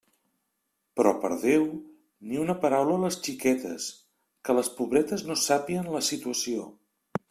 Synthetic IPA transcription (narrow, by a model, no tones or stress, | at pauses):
pɾɔpə̰ɾðew | niunəpəɾawlələst͡ʃikɛt̪ə̰s | kələspuβɾɛt̪əznosapiənləsit̪uəsio